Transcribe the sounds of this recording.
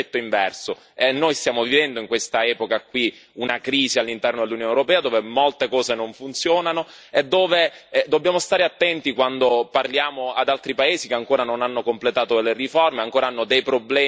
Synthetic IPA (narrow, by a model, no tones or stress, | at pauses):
ɛt̪ːoiɱvɛrso | enːojst̪jaːmovivɛnd̪oiŋkwest̪aɛːpokakwiunakɾiːzialːint̪ɛrnod̪elːunjoːnewɾopɛːad̪oːvemolt̪ekɔːzenoɱfunt̪sjoːnano | ed̪ːoːved̪obːjaːmost̪aːɾeat̪ːɛnt̪ikwand̪oparljaːmoad̪alt̪ɾipaeːzikeaŋkoːɾanonanːokomplet̪aːt̪olerifɔrmeaŋkoːɾaanːod̪ejpɾoblɛː